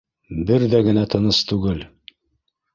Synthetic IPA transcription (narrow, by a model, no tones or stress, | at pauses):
bɘɾðæɡɘ̆næt̪ʰɤ̆nɤst̪ʉɡɘl